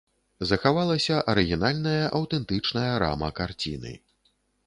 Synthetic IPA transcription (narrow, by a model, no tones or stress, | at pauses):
zɐxavalˠɐsʲɐʔɐɾɨɣʲinalʲnɐjɐʔɐwt̪ɛnt̪ɨt͡ʂnɐjɐɾa̰mɐ̰kart͡sʲḭnɨ̰